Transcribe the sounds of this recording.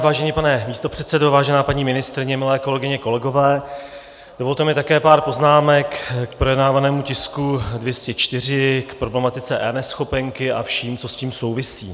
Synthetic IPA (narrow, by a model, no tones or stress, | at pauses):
vaːʒɛniːpanɛmiːst̪o̞pr̥ɛt̪sɛdo̞vaːʒɛnaːpaɲiːmɪnɪst̪ɾɪɲɛmɪlɛːko̞lɛɡɪɲɛko̞lɛɡo̞vɛː | d̥o̞vo̞lt̪ɛmɪt̪akɛːpaːɾpo̞znaːmɛkkpɾojɛdnaːvanɛːmucɪskudvjɛscɛt͡ʃt̪ɪr̝ɪkpɾo̞blɛmat̪ɪt͡sɛʔɛ̰nɛsxo̞pɛŋkɪʔa̰fʃiːmt͡so̞sciːmso̞wvɪsḭː